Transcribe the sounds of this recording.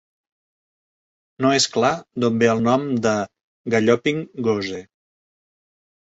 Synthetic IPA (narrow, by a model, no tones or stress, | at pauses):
noesklad̪ombeəlˠnɔmd̪ə | ɡəʎɔpiŋɡoze